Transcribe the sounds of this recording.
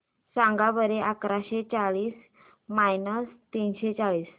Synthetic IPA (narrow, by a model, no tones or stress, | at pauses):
sãŋɡabəɾeʔakɾaɕet͡saɭiːs | majnəst̪inɕet͡saɭiːs